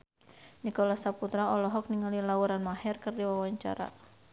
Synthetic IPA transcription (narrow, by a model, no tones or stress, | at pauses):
nikɔlasaput̪ɾaɔlɔɦɔk̚niŋalilawuɾanmaɦɛrkɨrdiwawaɲt͡ʃa̰ɾa̰